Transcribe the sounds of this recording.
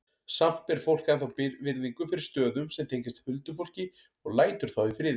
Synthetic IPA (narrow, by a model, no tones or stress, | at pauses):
sam̥t̪ɛɾ̥fowl̥kɛnθawpɪvɪɾðiŋkʏfɪɾɪɾ̥st̪œːðʏmsɛmt̪ʰejɲcɪst̪ḁfʏlt̪ʏfowl̥cɪ | ɔɣlaːjt̪ʏɾ̥θawifɾɪːð